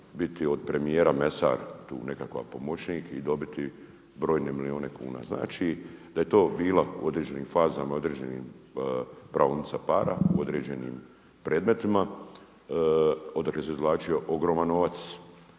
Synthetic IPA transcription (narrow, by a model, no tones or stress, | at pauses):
bit̪iod̪̚pɾe̞mijeːɾame̞sa̰ɾt̪ṵːne̞kakʋa̰po̞mot͡ʃnikid̪o̞bit̪i | bɾo̞ːjnemilio̞ːne̞kṵːna̰ːzna̰ːt͡ʃid̪aje̞t̪o̞ːbiːlaṵo̞d̪ɾeːd͡ʑe̞niːmfaːzamaio̞d̪ɾeːd͡ʑenḭːm | pɾʔaonit̪sapaːɾa̰ṵo̞d̪ɾe̞ːd͡ʑe̞nḭːm | pɾeːd̪me̞t̪ima | o̞d̪akleseizlˠaːt͡ʃio̞ʔoɡɾo̞ːmanːo̞ʋat̪s